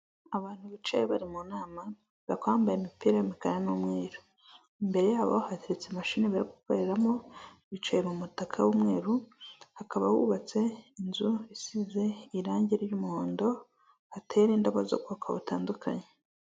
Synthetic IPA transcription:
aβaːn̥huβit͡ʃajeβaɾimunaːma | βakwaːmbajemipiːɾajimikaɾanumŋeːɾu | imbe̞ɾe̞jaːβo̞̰hateɾet͡semaʃiːniβaɾiɡukoɾeɾamo̞βit͡ʃajemumutakʰawumŋe̞ːɾuhakaβa̰wṵβat͡se̞inzuisize̞iɾaːɲɟiɾjumuhoːndo̞ | hateːjeɾiːndaβazo̞̰kuakʰaβṵta̰ːndukʰa̰ɲe

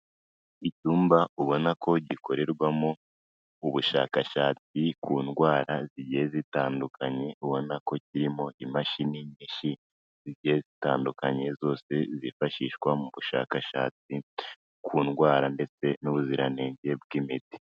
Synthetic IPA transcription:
icuːmbauβo̞nakʰo̞ɟiko̞ɾe̞ɾɡwamo | uβuʃa̰kaʃaːt͡sikuːnɡwaːɾaziɟijezitaːndukʰaɲe̞uβo̞nako̞ciɾimo̞ʔimaʃiniɲiːʃi | ziɟihezitaːndukaɲe̞zo̞ːse̞zifaʃiʃwamuβuʃa̰kaʃa̰ːt͡si | kʰuːnɡwaːɾande̞t͡se̞nuβuziɾaneːɲɟe̞b̚ɡimiti̥

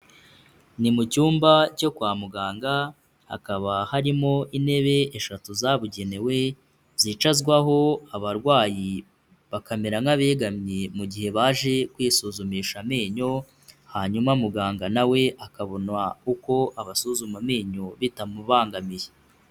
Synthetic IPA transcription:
nimucuːmbaco̞kwaːmuɡaːŋɡa | a̰kaβahaɾimo̞ʔine̞βe̞ːʃatuzaβuɟe̞ne̞we̞ | vziːt͡ʃazɡwaɦo̞aβaɾɡwaːji | βakameɾaŋaβe̞ːɡamɲemuɟihe̞βaːʒe̞kwiːsuzumiʃame̞ːɲo̞ | haːɲumamuɡaːŋɡanawe̞ʔakaβo̞nwauko̞ʔaβasuzumame̞ːɲo̞βitamuβaːŋɡamije

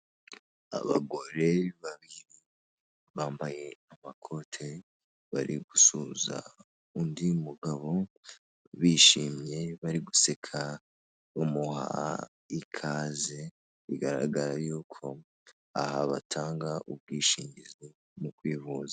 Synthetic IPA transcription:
a̰βa̰ɡo̞ɾe̞βaβiɾi | βaːmbaje̞amakʰo̞tʰe̞ | βa̰ɾiɡusuza̰ | undimuɡaβo̞ | βiːʃiːmɲe̞βaɾiɡusekʰa | umuha̰ | ikʰaze | ḭɡaɾa̰ɡaɾajuːkʰo̞ | a̰haβa̰tʰaːŋɡaʔub̚ɡiːʃiːɲɟizi | mukwiːvuza

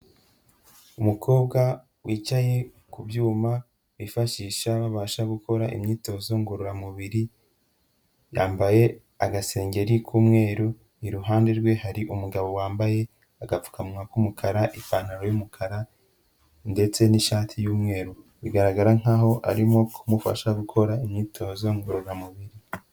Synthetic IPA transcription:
umukʰo̞ːbɡa | wʔiːt͡ʃaje̞ | kubjuːma | wifaʃiːʃaβaβaːʃaɡukʰo̞ɾaʔḭmɲiːto̞zo̞ŋɡuɾuɾamuβiɾi | jaːmbaje̞ | aɡase̞ːŋɡe̞ɾikʰuːmŋe̞ːɾo | iɾuɦaːnde̞ɾɡwe̞haɾiʔumuɡaβo̞waːmbaje̞ | aɡafu̥kʰamŋakumukʰaɾaʔifaːn̥aɾo̞jumukʰaɾa | nde̞t͡se̞niʃaːtʰijuːmŋe̞ːɾo | βiɡaɾaɡaɾaŋ̥aɦo̞ʔa̰ɾimo̞kʰumufa̰ʃaɡukʰo̞ɾaimɲiːtʰo̞ːzo̞ŋɡuɾuɾamuβiɾi

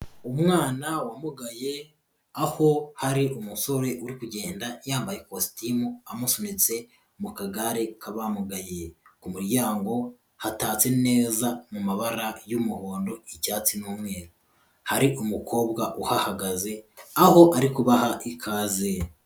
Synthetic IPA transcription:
umŋaːnawamuɡaje̞ | aho̞haɾiumuso̞ɾe̞ʔuɾikuɟe̞ːndajaːmbaje̞kosi̥timuamusonit͡se̞ | mukaɡaɾekʰaβamuɡajekumuɾɟaːŋɡo̞ | hataːt͡se̞ne̞ːzamumaβaɾajumuho̞ːndo̞icaːt͡sinuːmŋeːɾu | haɾiʔumukʰo̞ːbɡaʔuhahaɡaze̞aho̞ʔaɾikuβahaʔikʰaːze

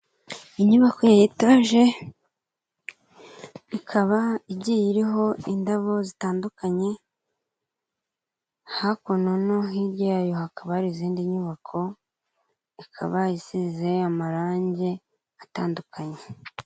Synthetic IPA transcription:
iɲuβako̞jajitaʒe̞ | ikʰaβaiɟijiɾiɦo̞indaβo̞zitaːndukaɲe̞ | hakononoɦiɾjaajo̞hakaβahaɾiziːndiɲuβakʰo̞ | ikʰa̰βajisize̞amaɾaːɲɟe̞ | ataːndukʰaɲe̞

